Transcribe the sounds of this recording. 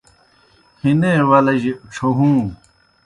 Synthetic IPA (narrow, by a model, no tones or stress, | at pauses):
hinewɐlɐʑeʔʈ͡ʂʰoɦũː